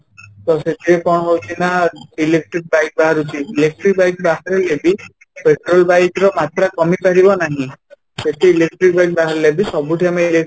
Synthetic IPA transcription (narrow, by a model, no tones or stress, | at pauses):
t̪ɔset̪ʰiekɔɽ̃ɔɦowt̪ʰinailek̚ʈɾik̚bajk̚baɦaɾut̪ʰiːlek̚ʈɾik̚bajkbaɦaɾelebi | peʈɾɔlbajkɾɔmat̪ɾakɔmipaɾibɔnaɦĩ | set̪ʰiilek̚ʈɾik̚bajk̚baɦaɾelebisɔbuʈʰiamailek